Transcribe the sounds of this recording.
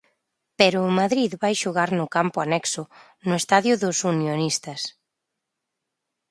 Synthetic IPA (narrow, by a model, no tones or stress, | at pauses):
peɾʊːmaðɾiðβajʃʊɣaɾnʊkampʊanɛksʊ | nʊest̪aðjʊðʊsunjonist̪ɐs